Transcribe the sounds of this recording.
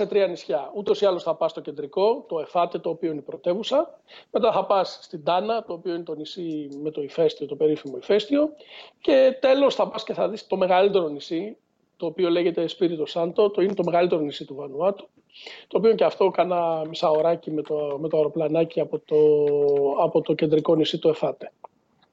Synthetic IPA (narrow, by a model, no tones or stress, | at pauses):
se̞t̪ɾiɐnisçɐut̪o̞siɐlo̞sθɐpɐst̪o̞ce̞nd̪ɾiko̞t̪o̞e̞fɐt̪et̪o̞ːpio̞ineipɾo̞t̪e̞vusɐ | me̞t̪ɐθɐpɐsst̪ind̪ɐnɐt̪o̞ːpio̞ine̞t̪o̞nisime̞t̪o̞ife̞st̪io̞t̪o̞pe̞ɾifimo̞ife̞st̪io̞ce̞t̪e̞lo̞sθɐpɐsce̞θɐðist̪o̞me̞ɣɐlit̪e̞ɾo̞nisi | t̪o̞ːpio̞le̞ɣe̞t̪e̞spiɾit̪o̞sɐnt̪o̞t̪oinet̪o̞me̞ɣɐlit̪e̞ɾonisit̪uvɐnuɐt̪u̥ | t̪oːpio̞ceɐft̪o̞kɐnɐmisɐoɾɐcimet̪ome̞t̪oɐɾo̞plɐnɐciɐpot̪o | ɐpo̞t̪o̞ce̞nd̪ɾiko̞nisit̪oe̞fɐt̪e̥